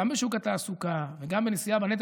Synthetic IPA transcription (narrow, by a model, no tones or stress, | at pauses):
ambeʃukat̪aːsukaveɡambenisijabanet̪̬